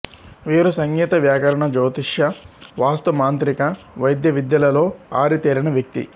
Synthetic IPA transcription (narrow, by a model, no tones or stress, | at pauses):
ʋiːɾusɐŋɡiːt̪ɐʋjaːkɐɾɐɳɐd͡ʒɐːt̪iʂjɐʋaːst̪ɐmaːnt̪ɾikɐ | ʋɐjd̪jɐʋid̪jɐlɐlo̞ːaːɾit̪eːɾinɐʋjɐk̚t̪ḭ